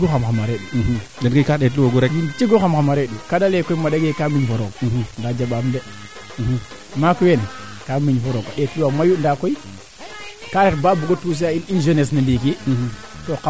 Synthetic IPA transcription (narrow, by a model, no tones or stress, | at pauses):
ɡoxamxamaɾeɗudenkokaɗetluwaɡoɾed͡ʒint͡ʃiɡoxamxamaɾeɗukadaleːkoimaɗeɡekamiɲfoɾokndad͡ʒaɓamde | makuwen | kamiɲfoɾokaɗetuwamajundakoi | kaɾetbabuɡotus̬ijaininʒenes̬nalik̬itoka